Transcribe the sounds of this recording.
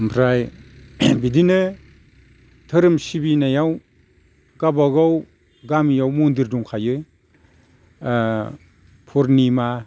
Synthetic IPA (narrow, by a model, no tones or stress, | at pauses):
mpʰɾaj | bidinɯ | tʰɯɾɯmsibinajaw | ɡ̥abaɡɔw | ɡamjawmundiɾduŋkʰajɯ | pʰɔɾnima